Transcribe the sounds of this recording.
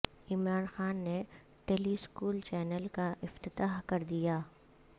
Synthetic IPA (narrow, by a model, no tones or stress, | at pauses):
ɪmɾaːnxaːnːe | ʈeːliskuːlt͡ʃɛːnəlkaʔɪft̪ɪt̪aːɦkɐɾd̪ijaː